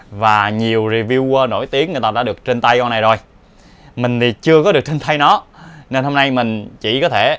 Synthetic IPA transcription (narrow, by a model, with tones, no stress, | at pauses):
vaː˨˩ɲi˨˩əwzi˧vi˧wno̰˧˩˨jt̪i˨˦əŋː˨˩jt̪aː˧a̰ː˧˥ɗɨ˨˩ək̚t͡ɕe˧nt̪a˧jkɔ˧na˨˩jzo˨˩j | mï˨˩ŋ̟t̪ʰi˨˩t͡ɕɨ˧əkɔ˨˦ɗək̚t͡ɕʰnt̪ʰa˧jnɔ˨˦ne˧nho˧mna˧jmï˨˩ŋ̟t͡ɕḭ˧˩kɔ˨˦t̪ʰe˧˩